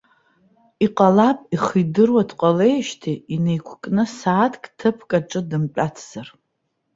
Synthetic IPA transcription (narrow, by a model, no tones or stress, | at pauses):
iqʼalapʼiχijdɨrwadʰqʷʼale̞jʃtʰiine̞jkʷʰkʼnɨsaːtʰkʼtʰɨpʰkʼaʈ͡ʂʼɨdɨmpʼatʰz̥ar